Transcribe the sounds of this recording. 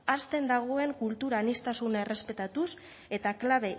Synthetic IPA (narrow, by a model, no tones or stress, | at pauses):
ast̪e̞nd̪aɣ̞o̞e̞ŋkult̪uɾanist̪asune̞re̞spe̞t̪at̪us | e̞t̪aklaβ̞e̞